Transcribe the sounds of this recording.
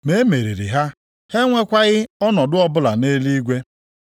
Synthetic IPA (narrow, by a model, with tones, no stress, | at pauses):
me˦me˨ɾi˨ɾḭ˨ɦa˦ | he˦ŋʷe˦kʷa˦ɣɪ˦ɔ˦nɔ˨dʊ˦ɔ˦bʊ˦la˨ne˦li˦ɡʷe˦